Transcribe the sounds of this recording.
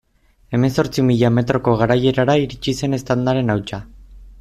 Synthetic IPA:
e̞me̞nso̞ɾt͡simiʎame̞t̪ɾo̞ko̞ɣ̞aɾaje̞ɾaɾaiɾit͡ʃise̞ne̞st̪and̪aɾe̞nawt͡ʃa

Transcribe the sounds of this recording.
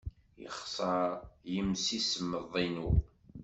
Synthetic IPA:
jə̰χsˤɑɾjəmsisəmːəðˤinu

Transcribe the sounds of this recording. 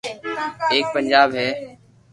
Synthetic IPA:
eːk̚pənd͡ʒaːbɦɛː

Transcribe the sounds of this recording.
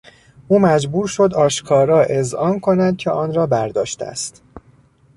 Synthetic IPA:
ʔuːmæd͡ʒbuːɾʃo̞d̪ɒːʃkʰɒːɾɒːʔe̞zɒːnkʰo̞nænd̪̚cʲʰeʔɒːnɾɒːbæɾd̪ɒːʃt̪æ̰st̪

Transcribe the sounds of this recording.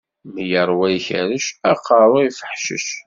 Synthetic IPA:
məjəɾˤwæjçæɾəʃæqːɑɾˤoifəħʃə̰ʃ

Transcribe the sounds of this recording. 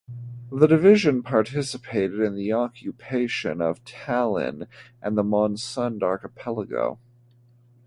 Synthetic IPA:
ðədɨvɪʒɨ̃npʰɑɹtʰɪsɨpʰeɪɾɨɾɨ̃nðiɑkʰjɨpʰeɪʃɨ̰̃nʌ̰v̥tʰælˠɪ̰̃nʔɨ̃nðəmɑ̃nsʌ̃ndɑɹkɨpʰɛlˠəɡo̰ʊ

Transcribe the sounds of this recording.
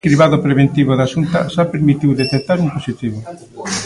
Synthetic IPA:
kɾiβaðopɾeβent̪iβoðaʃunt̪a̰ʃapeɾmit̪iwðet̪ek̚t̪aɾumposit̪iβo

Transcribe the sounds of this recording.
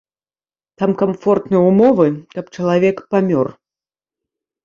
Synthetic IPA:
t̪amkamfɔrt̪nɨjɛumɔvɨkɐp̚t͡ʂɐlˠavʲɛkpamʲɔr

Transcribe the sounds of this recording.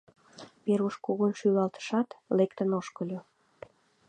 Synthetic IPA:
peɾuʃkuɣənʃylɑlt̪ə̥ʃɑt̪lekt̪ənoʃkəlʲo

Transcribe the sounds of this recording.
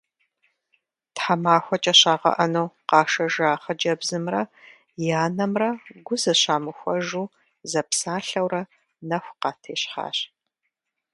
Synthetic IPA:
tħamaːxʷɔt͡ʃʼɐɕaːʁɐ̰ʔɐnuːqɑːʃɐʒaːχɐd͡ʒɐbzɨmrɐ | jaːnɐmrɐɡʷʊzɐɕaːmɨxʷɔʒuː | zɐpsaːɬɐwrɐ | nɐxʷqɑːtʰeːɕħa̰ːɕ

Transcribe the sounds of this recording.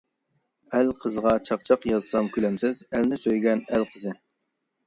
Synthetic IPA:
ælqʰəzəʁɑt͡ʃʰɑq̚t͡ʃʰɑqjɑzsɑmkʲʰylɛmsɪzɛlnɪsøjɡʲɛnælqʰəzɨ

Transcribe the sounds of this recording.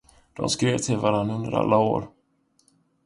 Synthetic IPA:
d̪̥ɔ̰mskɾeːvt̪ʰelvaɾanːɵnd̪əɾa̰lːaoːɾ

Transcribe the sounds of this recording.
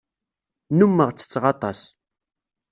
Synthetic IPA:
numːəʁt͡sːə̥t͡sːʁɑt̪ˤɑs

